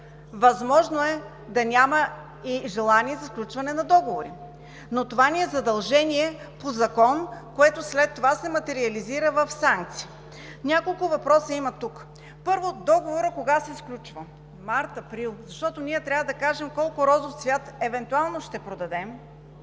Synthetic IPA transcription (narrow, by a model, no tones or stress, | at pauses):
vɐzmɔʒnoɛ | d̪ɐnʲamɐ | iʒɛlˠaniɛzɐsklʲut͡ʃvɐnɛnɐd̪ɔɡovoɾi | not̪ovanʲiɛzɐd̪ɐlˠʒɛnʲiɛ | pozɐkɔnkoɛt̪ʊslɛt̪ːovasɛmɐt̪ɛɾiɐliziɾəvəfsaŋk̚t̪si̥ː | nʲakolˠkʊvɐpɾɔsəimɐt̪uk | pɤɾvod̪ɔɡovoɾəkoɡasɛsklʲut͡ʃvə | maɾt̪ɐpɾilˠzɐʃt̪ɔt̪onʲiɛt̪ɾʲavəd̪ɐkaʒɛmkɔlˠkʊɾɔzofsvʲjat̪ɛvɛnt̪ualˠnoʃt̪ɛpɾod̪ɐd̪ɛm